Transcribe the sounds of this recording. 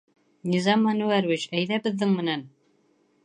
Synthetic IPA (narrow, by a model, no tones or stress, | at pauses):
nʲizɑmːɑnʉæɾvit͡ɕæjðæbɘ̆ðːɘŋmɘ̆næn